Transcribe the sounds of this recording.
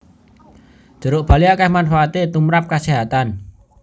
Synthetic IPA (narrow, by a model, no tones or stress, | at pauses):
d̪̥ə̤ɾoʔb̥a̤liakahmanfaːt̪et̪umɾap̚kaseɦat̪an